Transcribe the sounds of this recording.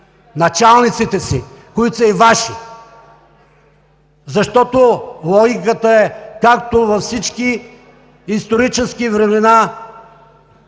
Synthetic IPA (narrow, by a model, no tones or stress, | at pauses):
nɐt͡ʃalˠnit̪sit̪ɛsi | koit̪sɐivaʃi | zɐʃt̪ɔt̪olˠɔɡʲikət̪əɛkakt̪ovɐfsit͡ʃki | ist̪oɾit͡ʃɛskivɾɛmɛna